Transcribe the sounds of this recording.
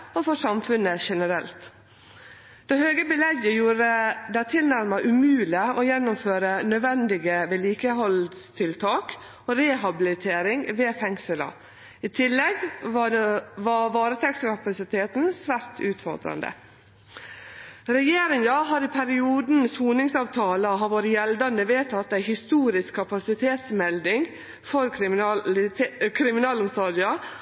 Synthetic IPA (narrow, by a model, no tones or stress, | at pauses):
ofɔʂɑmfʉnəʃɛnəɾɛlt̪ | d̪̥ɛhøːɡəbɪlɛɡəjuːɾəd̪æt̪ʰɪlnæɾmɑʔʉmʉːlɪɔjɛnːʊmføːɾənœʋɛnd̪ɪɡəʋeːliːkəɦɔlst̪ʰɪlt̪ʰɑːk | oːɾeːɦɑbɪlɪt̪ʰeːɾɪŋʋeːfɛŋsəlɑ̰ | ɪt̪ʰɪlːɛɡ | ʋɑʋɑːɾət̪ʰɛksəkʰɑpɑsɪt̪ʰeːt̪n̩sʋæːɾt̪ʰʉːt̪fɔ̰ɾd̪ɾɑ̰nd̪ə̰ | ɾɛjeːɾɪŋɑɦɑːɾɪpʰæɾɪuːd̪n̩suːnɪŋsɑːʋt̪ʰɑːləɦɑɾʋoːɾjɛld̪ɑnd̪əʋeːt̪ʰɑt̪̚ːd̪æɪhɪst̪uːɾɪskʰːɑpɑsɪt̪ʰeːt̪smɛld̪ɪŋ | fɔɾ | kʰɾɪmɪnɑːləʊmst̪ɔd̪ɪɑ